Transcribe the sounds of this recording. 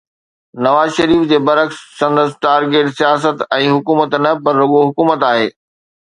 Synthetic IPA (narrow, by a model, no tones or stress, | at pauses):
nɐʋaːzʃɐɾiːfd͡ʑeːbɐɾəxsːɐ̃nd̪əsɪʈaːɾɡeːʈsijaːs̬ət̪ɛ̃ːɦʊkuːmət̪nɐpɐɾːoɠoɦʊkuːmət̪aːɦeː